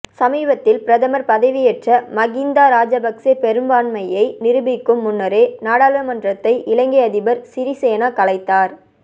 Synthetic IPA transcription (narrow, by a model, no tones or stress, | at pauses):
sɐmiːbɐt̪ːɪlpɪɾɐðɐmɐɾpɐðɐʋɪjɛʈrɐmɐɣind̪aːɾaːd͡ʒɐbɐkseːpɛɾɯmbaːɳmɐjɐɪnɪɾɯbɪkːɯmːʊnːɐɾeːnaːɽaːlʋɐmɐndrɐt̪ːɐɪʔɪɭɐŋɡeɐðɪbɐɾsɪɾisɛjɐnakɐlɐɪt̪ːaːɾ